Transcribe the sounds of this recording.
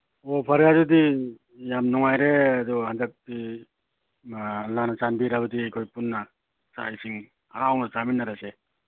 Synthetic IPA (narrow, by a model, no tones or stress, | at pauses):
ɔpʰaɾjazudi | jamnɔŋajɾeadɔhandak̚di | lanat͡ʃanbiɾaβɯdikʰojpunːa | sa̰isiŋ | a̰ɾawnat͡ʃaminːaɾase